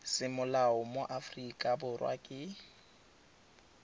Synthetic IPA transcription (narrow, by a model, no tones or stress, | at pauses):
sɪmʊlaʊmoʔafrikʼabʊrwʔa̰kʼɪ